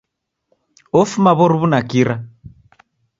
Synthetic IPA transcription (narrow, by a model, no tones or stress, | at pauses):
ɔfumaβɔɾuβunakiɾa